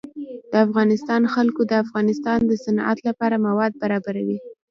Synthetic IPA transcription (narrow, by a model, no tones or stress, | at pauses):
d̪̥əafɣɑnɪst̪ɑnxalkod̪əafɣɑnɪst̪ɑnd̪əsanʔa̰t̪lapɑɾamawɑd̪̚baɾɑbaɾawi